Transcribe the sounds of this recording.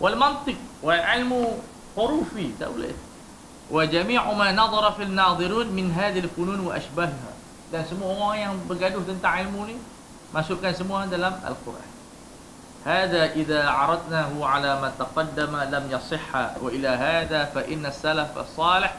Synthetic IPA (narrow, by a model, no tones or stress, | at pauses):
wʔɪlmɑnt̪ˤɨq̚wɪlʕɪlmu | xʊɾuːfit̪a̰wlḛt̪ | wʔɪd͡ʒamiːʕʊmanɑðˤɑɾˤɑfinːɑːðˤɨɾiːnmɪnɦaːðlfʊnuːnwɪʔa̰ʃbaɦha̰ | kaːnsamːuːhajahmbɪɡad̪uːht̪ɪnt̪aʕʕɪlmuːni | maʃukaːnsamːuːhaːd̪alama̰lqʊ̰ɾa̰ħ | haːðaʔɪðaʕɑɾˤɑd̪nahʊʕalamat̪ɑqɑd̪ːamalamjɑsˤɪħːa̰wɪʔɪlaɦaːðafaʔɪnːasːalafɑ̰sˤːɑːlɪħ